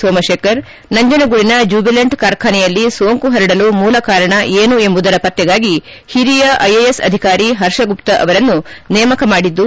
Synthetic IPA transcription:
soːmɐʃeːkɐɾ | nɐɲd͡ʒɐnɐɡuɭinɐd͡ʒuːbɐleɳʈkaːɾkʰaːnɛjɐlːisoːŋkuɦɐɾiɽɐlumuːlɐkaːɾɐɳɐʔeːnue̞mbud̪ɐɾɐpɐt̪ːjɛɡaːɡi | hiɾijɐʔɐjejesɐ̰d̪ʱikaːɾiɦɐɾʂɐɡupt̪ɐʔɐ̰ʋɐɾɐnːunɛːmɐkɐmaːɽid̪ːu

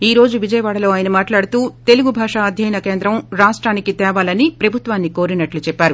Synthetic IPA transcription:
iːɾo̞ːd͡ʒuʋid͡ʒɐjɐʋaːɽɐlo̞ːaːjɐnɐmaːʈlaːɽut̪uːt̪e̞luɡubʱaːʂaɐd̪ʱjɐjnɐkeːnd̪ɾɐmɾaːʂʈɾaːnikit̪ɛːʋaːlɐnipɾɐbʱut̪ʋaːnːiko̞ːɾinɐʈlut͡ʃɛpːaːɾu

